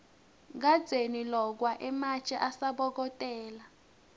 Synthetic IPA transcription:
ŋ̬ad̥d͡z̥ʱenilɔk̬waʔɛmat͡ʃʼɛʔasaɓɔk̬ɔtʼɛːla

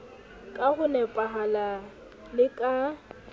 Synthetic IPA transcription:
kʼaɣʊnɛpʼaɦala | lɪkʼa

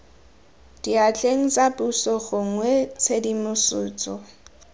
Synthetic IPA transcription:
d̥iat͡ɬʼeŋ̩t͡sʼabusɔɣʊŋwɛt͡sʰedimʊsʊːt͡sʼɔ

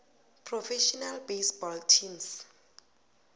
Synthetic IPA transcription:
pʰrɔfɛʃɔnalbejsbɔltʰims

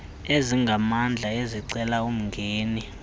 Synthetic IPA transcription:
eziŋɡʱamand͡ɮʱaeziǀɛlaum̩ŋɡʱeːni

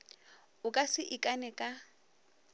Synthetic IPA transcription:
ʊkʼasɪʔɪkʼanɛkʼa

